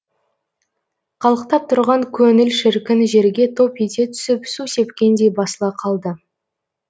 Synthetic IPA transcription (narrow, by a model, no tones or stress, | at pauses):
qʰɑlˠəqt̪ɑp̚t̪ʰʊɾʁɑŋkʲʰɵŋɪlʃɪɾkʲɪnʒe̞ɾɡʲe̞t̪ʰo̞pet̪e̞t̪ʰʏ̥sɪpsuse̞pkʲend̪e̞jbɑsəlˠɑqʰɑlˠd̪ə